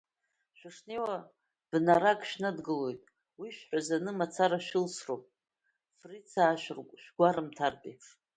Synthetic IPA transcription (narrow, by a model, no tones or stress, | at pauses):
ʃᶣaʂnewa | b̥naɾakʼʃnadɡɨlo̞jtʼ | wiʃᶣħʷᶣazanɨmat͡sʰaɾaʃᶣɪlsropʼ | frit͡sʰaːʃrʃᶣɡʷaɾɨmtʰarpʼeʂ